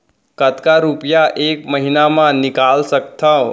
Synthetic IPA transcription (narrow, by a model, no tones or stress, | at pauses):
kət̪kaɾupjaʔekməɦinamãnikalsək̚t̪ʰə̃